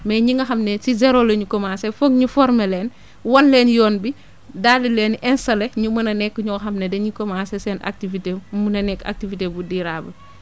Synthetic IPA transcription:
mɛːɲiŋɡɐxɐmnɛsizɛɾolɐɲukɔmasɛfokɲufɔɾmɛlɛːn | wɐnlɛːnjɔːnbi | dadilɛːnʔɛnsɐlɛɲumɐnɐnɛkːəɲuɐxɐmnɛdɛɲukɔmaːsɛsɛna̰k̚tivitemunɐnɛkːa̰k̚tivitebudiɾaːbɐ̰

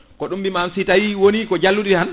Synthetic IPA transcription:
kɔɗumbimamsitawiwonikɔd͡ʒalːudihan

